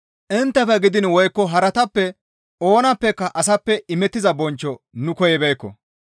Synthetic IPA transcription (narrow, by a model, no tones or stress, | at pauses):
ʔɪnt̪ːɐfɛɡɪd̪ɪnwɔjkːɔɦɐɾɐt̪ɐpːɛ | ʔo̞ːnɐpːɛkːɐʔɐs̬ɐpːɛɪmɛt̪ːɪzɐbɔnt͡ʃːɔnʊkɔjɛbejkːɔ̰